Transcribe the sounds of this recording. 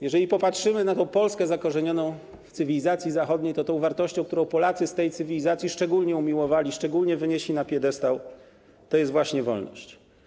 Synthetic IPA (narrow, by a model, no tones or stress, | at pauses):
jɛʐɛlʲipɔpatʂɘmɘnat̪ɔ̃w̃pɔlskɛzakɔʐɛɲɔnɔ̃w̃ | ft̪sɘvʲilʲizat̪sʲjizaxɔd̪ɲejt̪ɔt̪ɔ̃w̃vaɾt̪ɔɕt͡ɕɔ̃k̚t̪uɾɔ̃w̃pɔlat̪sɘst̪ɛjt̪sɘvʲilʲizat̪sʲjiʂt͡ʂɛɡulɲɛumʲiwɔvalʲiʂt͡ʂɛɡulɲɛvɘɲeɕlʲinapʲjɛd̪ɛst̪aw | t̪ɔjɛst̪vwaɕɲɛvɔ̰lnɔ̰ɕt͡ɕ